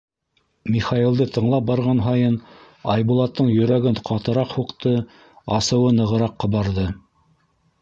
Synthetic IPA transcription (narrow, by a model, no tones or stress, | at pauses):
mʲiχɑjilˠd̪ɤt̪ʰɤ̆ɴlˠɑp̚bɑɾʁɑnɦɑjɤn | ɑjβulˠɑt̪ːɤɴjɵ̆ɾæɡɘnqʰɑt̪ɤ̆ɾɑqhuqt̪ɤ | ɑsɤ̆wɤnɤ̆ʁɤ̆ɾɑqːɤ̆βɑɾðɤ